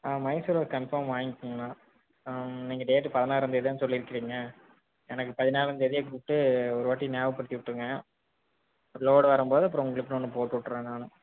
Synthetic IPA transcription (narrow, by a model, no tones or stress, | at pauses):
aːmɐɪsuɾoːkɐnfɐːɾmʋaːŋɪkːɯŋɡɐnaː | niːŋɡɐɖeːʈːɯpɐðɪnaːlɾɐnd̪ɯɛðɪjɐːnsɔlːiɪɾɯkːɪɾiːŋɡɐ | ɛnɐkːɯpɐðɪnaːlɪɾɐnd̪ɯɛðɪjɐɡɾuːp̚ʈːɯɔɾɯʋaːʈːinjaːʋɯpɐɽɪt̪ːɪʋɪʈːɯŋɡɐ | loːɽʋɐɾɯmpoːðɯɐpːɯɾɔ̃ʊŋɡɐɭɪpːɐɽɔnːɯpoːʈːuʈːɯɾẽːnaːlʊ̃